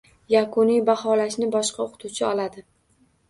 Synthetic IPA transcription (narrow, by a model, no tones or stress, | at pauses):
jakʰʊnijbahɒlaʃnɪbɒʃqʰɑoqʰɨ̥t̪ʰuwt͡ʃʰɪɒlad̪ɪ